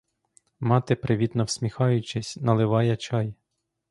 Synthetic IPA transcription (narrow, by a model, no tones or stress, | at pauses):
mɑt̪ɪpɾɪʋʲit̪nɔwsʲmʲixɑjʊt͡ʃɪsʲnɐlˠɪʋɑjɐt͡ʃɑj